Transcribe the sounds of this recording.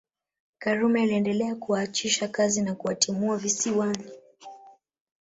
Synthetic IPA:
kaɾumɛiliɛndɛlɛakuwaːt͡ʃiʃakazinakuwatimuavisiwani

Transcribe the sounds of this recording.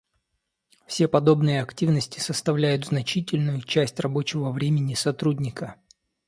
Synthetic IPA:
fsʲe̞pɐd̪o̞bnɨjəɐktʲivnəsʲtʲɪ̥səst̪ɐvlʲæjʊt̪znɐt͡ɕitʲɪlʲnʊjʊt͡ɕæsʲtʲrɐbo̞t͡ɕɪvəvɾʲemʲɪnʲɪsɐt̪ɾudʲnʲɪkə

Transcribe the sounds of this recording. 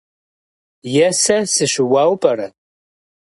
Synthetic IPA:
jɛsɐsɨɕʷɪwaːwpʼɐɾɐ

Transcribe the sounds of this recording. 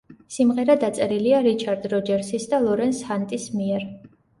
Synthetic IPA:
simʁɛɾad̪at̪sʼɛɾiliaɾit͡ʃʰaɾd̪ɾɔd͡ʒɛɾsisd̪alˠɔɾɛnshant̪ʼismiɛɾ

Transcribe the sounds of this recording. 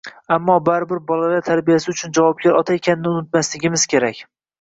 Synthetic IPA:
amːɒbaɾɪbɪɾbɒlalaɾt̪ʰaɾbijasɪʊt͡ʃʰʊnd͡ʒavɒp̚ɡʲaɾɒt̪ʰaekʲʰanɪnɪʊnɪt̪maslɪɡʲɪmɪz̥kʲe̞ɾakʲ

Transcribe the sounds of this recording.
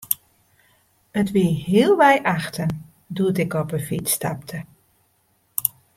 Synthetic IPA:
ətʋiɦɪːlˠʋɛjʔaxtən | duətɪkɔpəfitsta̰ptʰə

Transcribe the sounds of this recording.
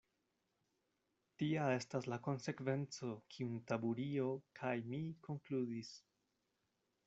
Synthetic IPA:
tiae̞staslako̞nse̞kve̞nt͡so̞kʰiuntabuɾio̞kʰajmiko̞ŋkludis

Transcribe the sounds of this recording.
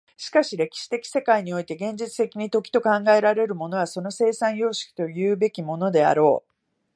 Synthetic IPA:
ɕi̥kaɕiɾe̞kʲi̥ɕi̥t̪e̞kʲi̥se̞kaiɲ̟io̞it̪e̞ɡẽ̞ɲ̟d͡ʑit͡sɨ̥t̪e̞kʲiɲ̟it̪o̞kʲi̥t̪o̞kãŋɡae̞ɾaɾe̞ɾɯ̟mo̞no̞βaso̞no̞se̞ːsãɰ̃jo̞ːɕi̥kʲi̥t̪o̞jɯ̟ːbe̞kʲimo̞no̞d̪e̞a̰ɾo̞ː

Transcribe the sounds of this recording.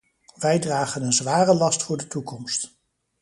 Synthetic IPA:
ʋɛjdraːχənənzʋaːrəlɑstfʊːɹdətukɔmst

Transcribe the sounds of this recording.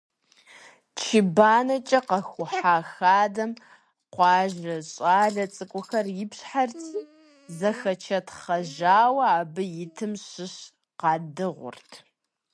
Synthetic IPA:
t͡ʃʰibaːnɐt͡ʃʼɐqɐxʷʊħaːxaːdɐm | qʷɑːʒrɐɕʼaːɮɐt͡sʼɨkʷʼʊxɐrjɪpɕħart͡sʰ | zɐxɐt͡ʃʰɐtχɐʒaːwɐaːbɨjɪtʰɨmɕɪɕ | qɑːdɨʁʷʊ̰rtʰ

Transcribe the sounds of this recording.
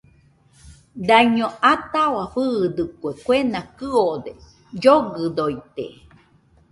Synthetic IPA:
d̪aɲõat̪awaɸɨd̪ɨkuekʷenakɨod̪e | d͡ʒoɡɨd̪ojt̪ḛ

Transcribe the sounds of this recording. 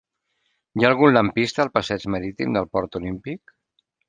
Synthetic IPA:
jaːlˠɣ̞unləmpist̪əːlˠpəsɛd͡ʒməɾit̪ḭmd̪əlˠpɔɾt̪ulimpik

